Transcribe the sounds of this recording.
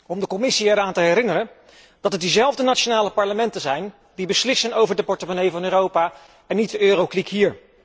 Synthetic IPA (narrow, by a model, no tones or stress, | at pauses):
ɔmdəkɔmɪsiɛɹaːntəɦɛɾɪnərən | d̥ɑtɛt̚dizɛlˠvdənat͡ʃonaːləpɑɹləmɛntəzɛjn | dibəslɪsənowvəɹdəpɔɹtəmonejvɑnøːrowpaː | ɛnːit̚dəʔøːrowklikɦiːɹ